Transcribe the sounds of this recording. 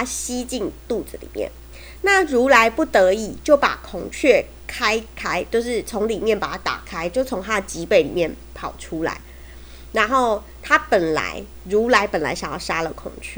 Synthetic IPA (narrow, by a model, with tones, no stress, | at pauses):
a˦ɕi˦t͡ɕi˥˧ŋt̪u˥˨d͡zɹ̩˨lḭ˨˩mjɛ̰˥˩n | na˥˩ɻu˨˥la˧˦ɪpu˥˩t̪ə˧˦i˨˩t͡ɕjo˥˩ʊpa̰˨˩kʰʊ˨˩ŋt͡ɕʰɥɛ˥˩ | kʰa˥ɪkʰa˥ɪt͡ɕjo˥˧ʊʂɻ̩˥˩t͡sʰo˧˦˥ŋli˨˩mjɛ˥˩npa˨˩t̪ʰa˥t̪a̰˨˩kʰa˥ɪt͡ɕjo˥˩ʊt͡sʰo˧˦˥ŋt̪ʰa˥ət͡ɕi˨˥pe˥˩ɪli˨˩mjɛ˥˩npʰɑ˨˩ʊʈ͡ʂʰu˦˥la̰˨˦ɪ | na˨˦nxo˥˩ʊ | t̪ʰa˦pə˨˩nla̰˧˥ɪ | ɻu˨˥la˧˦ɪpə˨˩nla̰˧˦ɪɕja˨ŋjɑ̰˥˩ʊʂa˥lə˨kʰʊ̰˨˩ŋt͡ɕʰy˥˩